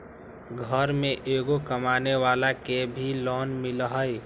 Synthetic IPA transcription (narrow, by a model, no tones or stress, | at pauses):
ɡʱəɾmẽʔeɡokəmaneʋalakebʱilɔnmilɦəj